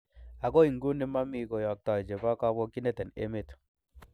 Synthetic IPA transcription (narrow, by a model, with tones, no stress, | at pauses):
a˨ɡo˦i˨ŋɡu˦ni˦ma˦mi˨ɡo˨jɔ˨k̚tɔ˨jd͡ʒe˨ba˦ka˦bo˦ki˦ne˦tɛ˨nḛ˦me˦t